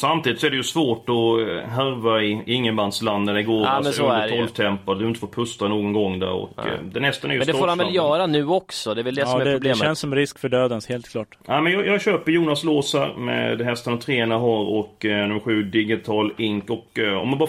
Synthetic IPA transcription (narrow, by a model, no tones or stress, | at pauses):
samt̪ʰiːd̪ɪt̪sɔæɖɛjʉsvoːʈɔɦæɾvaɪɪŋːəband̪sland̪əɾɪɡoːɾɔlft̪ʰɛmpːad̪d̪ɵhɪnt̪əfoːɾpʰɵst̪anoːɡɔnɡɔŋːd̪æ̰ɾɔ̰kd̪ɛnɛst̪anɛɾjsd̪ɛffoːɾhanvɛljœːɾanʉ̟ːɔksɔd̪ɛvɛld̪ɛɔɛd̪ɛblːʃɛnsːɔmɾɪskfœɖøːd̪ənsheːlt̪̚kʰlɑːʈnæɪmɛnjɑːjɑːɡɕøːpəɾjuːnasloːshæ̰ɾmɛ̰d̪ɦɛst̪anavt̪ʰɾeːnaɦæɾɔknɵmɧʉ̟ːd̪ɪɡɪt̪ʰɑːlɪŋkɔkɔ̰mːanbɑː